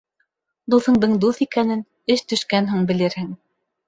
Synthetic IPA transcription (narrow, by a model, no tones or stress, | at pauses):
d̪uθɤ̆ɴd̪ɤɴd̪uθikænɘn | ɘʃt̪ɵ̆ʃkænɦɘŋbɘ̆lɘɾhɘŋ